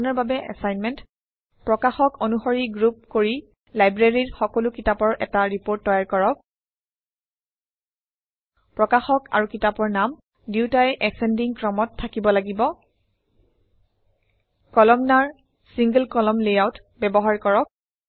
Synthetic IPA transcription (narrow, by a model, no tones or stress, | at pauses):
nɔɹbabɛʔɛ̰sajnmɛnt | pɹɔkaxɔkonuxoɹiɡɹup̚koɹi | lajbɹaɹiɹxɔkɔlukitapɔɹʔɛ̰taɹipoɹtːɔjaɹkɔɹɔk̚ | pɹɔkaxɔka̰ɹukitapɔɹnam | diwtajɛʔɛsɛndiŋkɹɔmɔtʰːakibɔlaɡibɔ | kɔlɔmnaɹ | siŋɡəlkɔlɔmlejawt | bɛbɔɦaɹkɔɹɔk̚